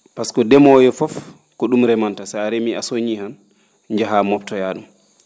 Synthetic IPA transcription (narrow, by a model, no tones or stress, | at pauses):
paskɔdɛmɔjɔfɔf | kɔɗumɾɛmantasajaɾemiʔasoɲihan | ɲd͡ʒaɦamɔp̚tɔjaɗum